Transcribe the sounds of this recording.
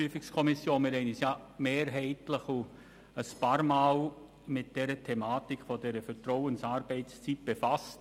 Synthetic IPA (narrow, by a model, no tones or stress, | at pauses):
yfɪkskʰɔmɪsjoːnmɪɾɛɪnisjameːɾɦɛɪtləχu | əspɑːɾmaːl | mɪt̚d̥ɛɾətʰɛmaːtikfodɛɾəfəɾtrɔʊənsaːɾb̥ɛɪtst͡sit̚b̥efast